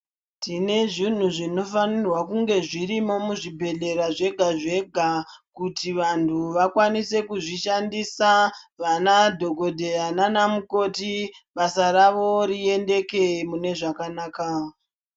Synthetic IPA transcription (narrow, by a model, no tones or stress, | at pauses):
tine̞ʐin̤uʐino̞fanirwakuŋɡe̞ʐiɾimo̞muʐibʱe̞ɮe̞ɾaʐe̞ɡʱaʐe̞ɡʱakutiʋantʰuʋakwanise̞kuʐiʃandisaʋanadʱo̞ɡo̞dʱeananamuko̞tiɓasaɾaʋo̞ɾie̞nde̞ke̞mune̞ʐakanaːka